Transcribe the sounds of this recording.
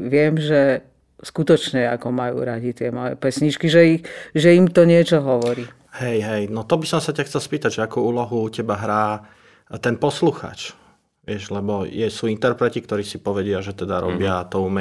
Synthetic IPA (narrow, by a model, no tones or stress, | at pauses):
ʋɪɛmʒɛ | skut̪ɔt͡ʃɲɛa̰kɔmajṵɾaɟit̪ɪɛmɔjɛ̰pɛsɲit͡ʃkiʒɛixʒɛimt̪ɔɲɪɛt͡ʃɔɦɔʋɔɾiː | hɛjɦɛjnɔt̪ɔbisɔmsacaxt͡sɛlspiːt̪aɟʒɛakuːuːlɔɦucɛbaɦɾaː | t̪ɛnpɔsluxa̰ːt͡ʃ | ʋɪɛʒlɛbɔjɛsuːint̪ɛɾpɾɛcik̚t̪ɔɾiːsipɔʋɛɟɪaʒɛt̪ɛd̪aɾɔ̰bɪat̪ɔumɛ